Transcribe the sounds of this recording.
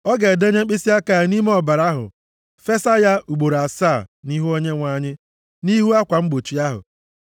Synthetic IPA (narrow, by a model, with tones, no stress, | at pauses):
ɔ˦ɡe˨de˦ɲe˦k͡pi˦si˦a˦ka˨ni˦m˦ɔ˦˨ba˨ɾa˦ɦʊ̰˨ | fe˦sa˦ja˦u˨ɡ͡bo˨ɾa˨saː˦˨ni˦ɦu˦o˦ɲe˦ŋʷa˦ɲɪ˦ | ni˦ɦu˦a˦kʷa˨ŋ͡m̩˦ɡ͡bo˨t͡ʃi˨a˦ɦʊ̰˨